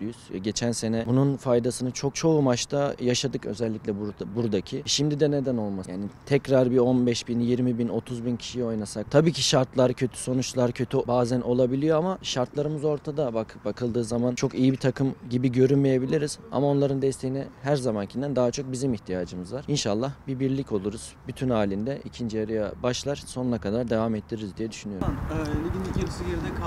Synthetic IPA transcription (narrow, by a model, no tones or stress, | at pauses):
yjyz̰ɟe̞t͡ʃʰænse̞nɛbununfajd̪asɯnɯt͡ʃʰo̞k̚t͡ʃʰo̞umaʃt̪ʰajaʃad̪ɯkøzɛlʲːicʲlʲɛb̪buɾd̪acʰiʃimd̪id̪ɛne̞d̪æno̞lˠmajaːnit̪ʰɛcɾaɾbio̞nbɛʃbinjiɾmibino̞t̪ʰuzbincʰi̥ʃijio̞jnasak̚t̪ʰabiːcʰiʃaɾt̪lˠaɾcʰø̞t̪ʰy̥so̞nut͡ʃlˠaɾcʰø̞t̪ʰybaːzænʔo̞lˠabilʲijo̞amaʃaɾt̪lˠaɾɯmɯzo̞ɾt̪ʰad̪abakbakʰɯlˠd̪ɯːzamant͡ʃʰo̞kijibit̪ʰakʰɯmɟibiɟø̞ɾynmeje̞bilʲiɾiz̥a̰mao̞nlˠaɾɯnd̪ɛst̪ʰe̞jinɛhæɾzamancʰind̪ænd̪aɦat͡ʃʰo̞k̚bizimiçt̪ʰijaːd͡ʒɯmɯzvaɾ̥inʃalˠːahbibiɾlʲico̞lˠuɾuz̥byt̪ʰynaːlʲind̪ɛʔicʰind͡ʒijaɾɯjabaʃlˠaɾ̥so̞nunakʰad̪aɾd̪e̞vamɛt̪ʰːiɾɾizd̪ijɛd̪y̥ʃynyjoned̪inicʰelisijeɾid̪ɛkʰ